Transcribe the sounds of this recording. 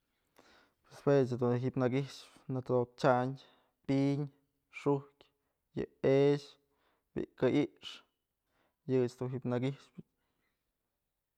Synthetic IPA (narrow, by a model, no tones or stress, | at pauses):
pweswet͡ʃhed̪unɦiʔpnaɡiʂpnɨt̪od̪ok̚t͡ʃaɲ | piɲ | ʂuhkʲ | jɨ̰eʃ | bḭʔkaʔiʔʂ | jɨt͡ʃd̪unɦipnaɡiʂpɨ